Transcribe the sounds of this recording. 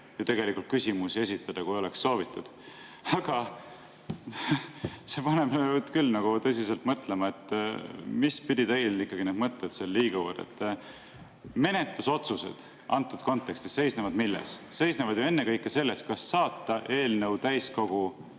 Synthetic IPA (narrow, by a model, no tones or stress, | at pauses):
jɑt̪eɡ̥e̞likːˑult̪̚kysʲimusie̞s̬ʲit̪ːˑɑd̪̥ɑkuo̞le̞ksːo̞ːvit̪ːˑud̪̥ | ɑɡ̥ɑ | se̞pɑne̞bt̪kylːnɑɡ̥ut̪ɤ̞s̬ise̞lt̪mɤt̪ˑle̞mɑe̞t̪ːˑ | mispid̪̥ʲit̪e̞jlikːˑɑɡ̥ined̪mɤt̪ːet̪selːiːɡɑvord̪ḛt̪ːˑ | me̞ne̞t̪luso̞t̪suse̞̰d̪̥ | ɑnt̪ːˑud̪̚ko̞nt̪ːˑekst̪i̥se̞jsnevɑd̪̥milːe̞̰sːe̞jsnevɑd̪̥juenːe̞kɤjkːˑese̞lːe̞st̪̚kɑsːɑːt̪ːɑʔe̞ːlnɤ̞wt̪æjsko̞ɡ̥u